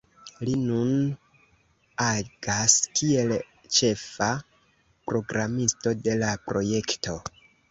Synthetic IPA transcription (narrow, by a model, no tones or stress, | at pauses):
linun | aɡ̥askie̞l | t͡ʃe̞fa | pɾo̞ɡɾamisto̞de̞lapɾo̞je̞kto̞